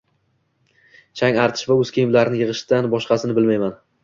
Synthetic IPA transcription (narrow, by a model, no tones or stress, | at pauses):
t͡ʃʰaŋaɾt̪ʰɪ̥ʃvaɵz̥kʲʰejɪmlaɾɪnɪjɨʁɨʃd̪anbɒʃqɑsɪnɪbɪlmajman